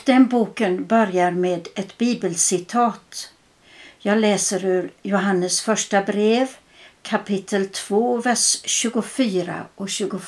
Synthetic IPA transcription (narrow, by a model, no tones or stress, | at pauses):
d̪̥ɛnbuːkənbœɾjaɾmeːd̪ɛt̪biːbəlsɪt̪ʰɑːt̪ | jɑːɡlɛːsəɾʉ̟ɾjʊɦanːəsfœʂʈabɾeːv | kʰapɪt̪ʰːəlt̪ʰv̥oːvæʂɕʉ̟ːɡʊfyːɾa̰ɔkɕʉ̟ːɡʊ